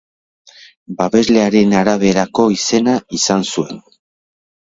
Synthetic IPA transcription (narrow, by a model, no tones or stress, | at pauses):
baβe̞zle̞aɾe̞naɾaβ̞e̞ɾako̞ise̞naisansue̞n